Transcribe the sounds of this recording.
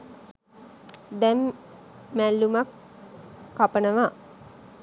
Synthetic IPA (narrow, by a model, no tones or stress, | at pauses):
d̪ɛmː | ælːumakː | apənəʋa